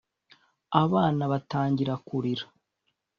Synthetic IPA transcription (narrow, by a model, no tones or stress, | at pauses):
aβaːnaβataːɲɟiɾakuɾiɾa